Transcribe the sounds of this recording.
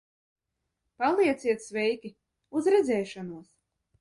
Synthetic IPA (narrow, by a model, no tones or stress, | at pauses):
palˠiɛt̪sʲiɛt̪svʲɛjkʲi | uzɾɛd̪zɛjʃanuɔs